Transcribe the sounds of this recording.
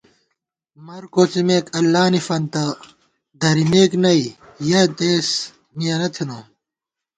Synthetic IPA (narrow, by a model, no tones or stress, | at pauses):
mɐɾkoːt͡simeːkɐlːaːnifɐnt̪ɐ | d̪ʱɐɾimeːknɐijɐt̪eːs | mijɐnɐt̪ʰino